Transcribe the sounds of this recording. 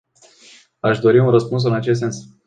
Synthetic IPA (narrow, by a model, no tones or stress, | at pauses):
aʃd̪o̞ɾiunrəspuns̬ɨnat͡ʃest̪se̞ns